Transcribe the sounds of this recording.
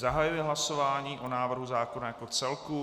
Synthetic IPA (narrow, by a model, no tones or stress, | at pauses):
zaɦajujɛɦlaso̞vaːɲiːʔonaːvr̩ɦuzaːkonajako̞t͡sɛlku